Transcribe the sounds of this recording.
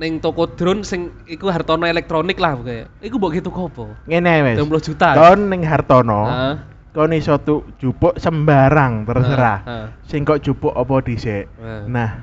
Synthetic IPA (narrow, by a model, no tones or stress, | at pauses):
nɪŋt̪okod̪̥ɾʊnsɪŋ | ikuɦart̪ɔnɔelɛk̚t̪ɾonɪklahbukaja | ikumboʔɡet̪ukɔb̥ɔŋenɛwɛpulʊhd͡ʒ̥ut̪aɔnːɪŋɦart̪ɔnɔ | konisɔt̪ud̥ʒ̥upʊʔsəmbaɾaŋt̪ərsəɾasɪŋkɔʔd̥ʒ̥ṳpʊʔɔpɔd̥iseʔnah